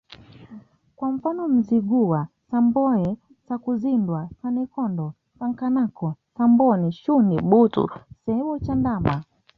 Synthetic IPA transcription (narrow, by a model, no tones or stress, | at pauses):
kwaɱ̩fanɔm̩ziɡuwa | sambɔɛ | sakuzindwasanikɔndɔ | saŋkanakɔsambɔniʃuniɓutṵsɛɛwɔt͡ʃandama